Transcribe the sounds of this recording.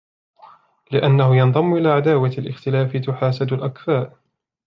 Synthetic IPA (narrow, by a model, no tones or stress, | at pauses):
lɪʔanːahʊjɑnðˤɑmːʔɪlaːʕad̪aːwaalʔɪ̰xt̪ɪlaːfɪt̪ʊħaːsad̪lʔakθaːʔ